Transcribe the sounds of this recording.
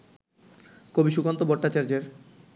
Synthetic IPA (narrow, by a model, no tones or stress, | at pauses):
kobiʃukant̪obɔʈːat͡ɕaɾd͡ʑeɾ